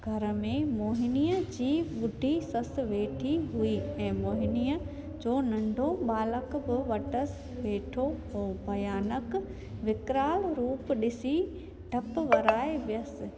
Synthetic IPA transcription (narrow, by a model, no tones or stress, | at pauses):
ɡʱɐɾə̆mẽmoːɦɪniːəd͡ʑiːɓʊɖʱisɐsɪ̆ʋeːʈʰiɦuiɛ̃ːmoːɦɪniːə | d͡ʑoːnɐ̃ɳɖʱõɓaːləkbɪʋɐʈəsɪʋeːʈʰoːbʱɐjaːnək | ʋɪkɾaːlɾuːpɗɪsi | ɖʱɐpʊʋɐɾaːeʋjəsɪ̆